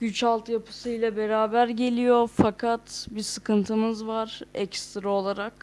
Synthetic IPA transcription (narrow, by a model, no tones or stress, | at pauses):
ɟyt͡ʃalˠt̪ʰjapʰɯ̥sɯjlʲˠɛbe̞ɾaːbæɾɟe̞lʲijofakʰat̪bisɯkɯnt̪ʰɯmɯzvaɾɛ̰cst̪ɾaolˠaɾak